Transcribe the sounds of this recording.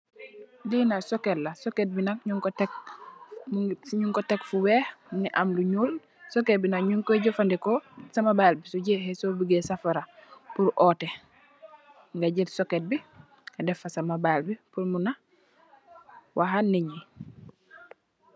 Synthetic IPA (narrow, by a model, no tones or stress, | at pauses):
dinasokelːasoket̚binakɲuŋkotek̚ | ɲuŋkotekfuweːhniʔamluɲuːl | soket̚binaɲuŋkoɟofandikosamabalbisuɟeɦesobiɡesafaɾapuɾʔɔːte | ŋɡaɟitsoket̚bi | adɛfasamabalbipuɾmuna | wʔaɦanːiɲi